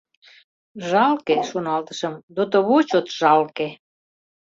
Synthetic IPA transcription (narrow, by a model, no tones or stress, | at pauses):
ʒɑlkeʃonɑlt̪əʃə̆md̪ot̪oβot͡ɕot̪ʒ̥ɑlke